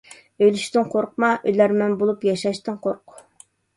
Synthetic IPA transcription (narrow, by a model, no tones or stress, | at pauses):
øjlyʃt̪ɪnqʰoɾqmɑʔøjlæɾmɛnbolˠupjɑʃɑʃt̪ɨnqʰoɾq